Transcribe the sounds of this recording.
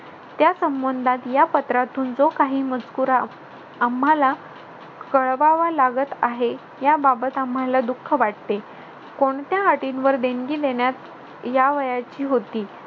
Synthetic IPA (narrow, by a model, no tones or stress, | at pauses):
t̪jasəmbənd̪ʱat̪japət̪ɾat̪uːnd͡zokaɦiːmət͡skuːɾa | amɦala | kəɭʋaʋalaɡət̪aɦe | jababət̪amɦalad̪ukʰːəʋaʈ̚t̪e | koɳt̪jaɦaʈinʋəɾd̪enɡiːd̪eɳjat̪ | jaʋəjat͡ɕiːɦot̪iː